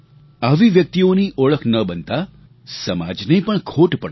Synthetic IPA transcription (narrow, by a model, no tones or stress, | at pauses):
aʋiʋjək̚t̪ioniʔɔɭəkʰnəbənt̪a | səma̰d͡ʒnəipəɳkʰoʈpəɽ